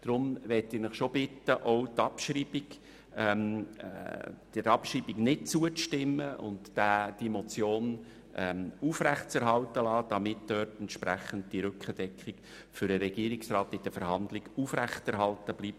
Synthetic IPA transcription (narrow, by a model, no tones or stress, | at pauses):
d̥ɾʊmʋɛtɪːɾnəχʃob̥ɪtːəʔowtɑpʃriːbiɡ | m | d̥ɪɾɑpʃriːbiɡnɪt̚t͡suəʃtɪmːəʊ̰ntːæːd̥imɔt͡sjoːn | ʔɛufɾæχtt͡sɛɾɦɑltəlɑːd̥ɑmɪt̚d̥œːtɛnt̪ʃpɾæχənd̚d̥iɾʏkχəd̥ɛkχɪk | fʏɾəɾɛɡ̥iːɾɪksrɑːtɪd̥əfəɾɦɑnd̪lɪɡufræχtɛɾɦɑltəb̥liːp̚